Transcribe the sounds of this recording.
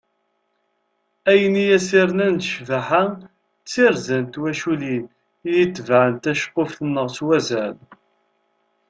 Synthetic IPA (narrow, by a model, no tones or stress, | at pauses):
æjənijæsiɾənænt̪ʃvaħa | t͡sːiɾzænt̪wæʃulin | jit̪ːvʕənt̪æʃqːofθənːəʁt͡swæzæl